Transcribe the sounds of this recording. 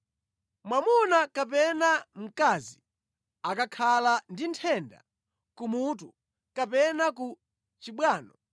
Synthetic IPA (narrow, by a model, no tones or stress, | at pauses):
mwamunakapɛnam̩kaːzi | akakʰalandintʰɛnda̰ | kumutu | kapɛnaku | t͡ʃiɓwaːnɔ